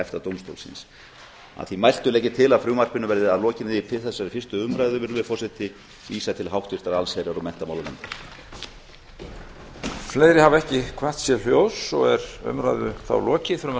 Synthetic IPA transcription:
ɛft̪at̪owmst̪o̰wlsɪ̰ns | a̰ðθimajl̥t̪ʏlɛcɪt̪ʰɪlaðfɾjuːmar̥pɪnʏvɛɾðɪaðlɔːcɪnɪfɪ̥θɛsːaɾɪfɪr̥t̪ʏʏmɾajðʏvʏɾvɪfɔr̥sɛt̪ɪ | viːsat̪ʰɪlɦawht̪vɪr̥t̪aɾalshɛɾjaɾɔmɛn̥t̪amawlʏmɛnt̪a | fleːjɾɪhavɛhcɪkʰvḁt̪sjɛljowsɔ̰ɣɛɾʏ̰mɾa̰jðʏθa̰wlɔːcɪθɾʏm

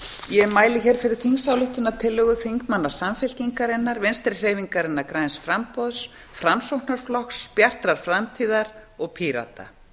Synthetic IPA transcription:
jɛmaːjlɪçɛːɾ̥fɪɾɪɾθiŋsawlʏht̪ʏnat̪ʰɪlːʏɣʏθiŋkmanːḁsamfɛl̥ciŋkaɾɪnːaɾvɪnst̪ɛɾ̥r̥ejviŋkaɾɪnːaɾkɾaːjnsfɾampɔðs | fɾamsowhknaɾ̥flɔxspjar̥t̪ɾaɾ̥fɾamt̪ʰiːðaɾɔɣpʰiːɾa̰t̪a̰

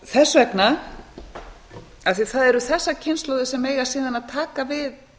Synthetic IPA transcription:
θɛsːvɛkna | aθiaθaðɛɾʏθɛsːacʰɪnslowðɪsɛmeːjɣasiːðanaðt̪ʰaːkavɪð

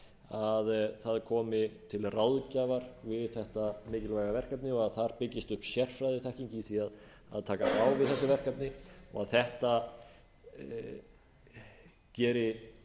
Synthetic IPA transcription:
aðθaðkʰɔːmɪt̪ʰɪlrawðcaːvaɾ̥vɪðθɛht̪amɪːcɪlvajɣavɛr̥kap̚nɪɔɣaðθaɾpɪcːɪst̪ʏhpsjɛr̥fɾajðɪθɛhciɲcɪiθiað | a̰ðt̪ʰaːkaaːwvɪðθɛsːavɛr̥kapnɪɔ̰ɣaðθɛht̪a | cɛːɾɪ

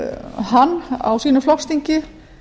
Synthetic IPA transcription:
ɦanːa̰wsiːnʏflɔst̪iɲcɪ

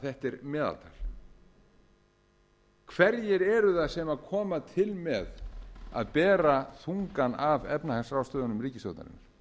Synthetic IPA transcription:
θɛht̪ɛɾmɛːða̰lt̪ʰa̰l̥ | kʰvɛɾjɪɾɛɾʏθasɛmaðkʰɔːmat̪ʰɪlmɛða̰ðpɛːɾaθuŋkanavɛpnahɛsɾawst̪œːðanʏmriːcɪst̪owt̪na̰ɾɪnaɾ̥

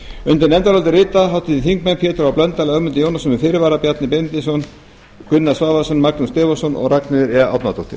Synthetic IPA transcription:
ʏnt̪ɪnɛnt̪aɾlalt̪ɪrɪːt̪aɦawht̪ɪðɪθiŋk̚mɛnpʰjɛːt̪ɪɾawplœnt̪alaœmʏnt̪ɪjoːwnasɔmʏfɪːɾɪvaːɾapjat̪nɪpemt̪ɪsɔn | kʰʏnːasvaːðasɔnmaknunst̪ɛːvɔsɔnɔ̰ɣraknɪðɪɾɛaa̰wp̪nat̪ʰowht̪ɪ̰ɾ̥

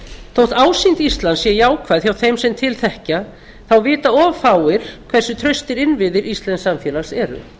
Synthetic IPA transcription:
θowht̪aːwsint̪ist̪lansjɛjaːwkʰvajðçawθejmsɛmt̪ʰɪlθɛhca | θawvɪːt̪aɔvfaːwɪɾ̥kʰvɛrsʏt̪ʰɾœɥst̪ɪɾɪnvɪðɪɾʔist̪lɛnsːamfjɛːlaɾsɛɾʏ̰

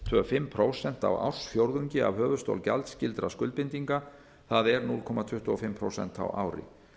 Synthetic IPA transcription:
t̪ʰvœfɪmpʰɾoːwsɛn̥t̪a̰wa̰wr̥sfjowɾðʏɲcɪa̰vɦœːvʏ̥st̪o̰wlca̰lt̪scɪlt̪ɾaskʏlpɪnt̪iŋka | θaðɛɾnulkʰɔːmat̪ʰʏht̪uɔfɪmpʰɾowsɛ̰nt̪a̰wʔa̰ːwɾɪ̰

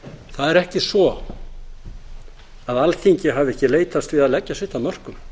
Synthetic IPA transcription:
θaðɛɾɛhcɪsvɔ | aðalθiɲcɪɦavɪɛhcɪleːjt̪ast̪vɪðaðlɛcːasveht̪amœr̥kʏm

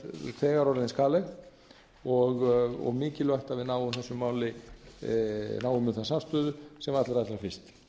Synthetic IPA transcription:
θɛːɣaɾɔɾɪnɪskʰaːlɛɣ | ɔɣɔ̰ɣmɪːcɪlvɛht̪avɪðnaːwʏmθɛsːʏmːaːwlɪ | naːwvʏmʏθasamst̪œːðʏsɛmat̪laɾat̪lɪɾafɪrst̪

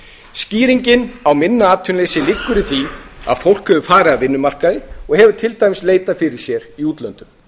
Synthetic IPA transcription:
sciːɾiɲcɪnawmɪnːaaːt̪ʰʏnlejsɪlɪkːʏɾɪθia̰ðfowl̥khɛvʏfaːɾɪðaðvɪnːʏmar̥kaðɪɔɣhɛvʏt̪ʰɪlt̪ajmsleːjt̪afɪɾɪ̥sjɛɾiuːt̪lœnt̪ʏm

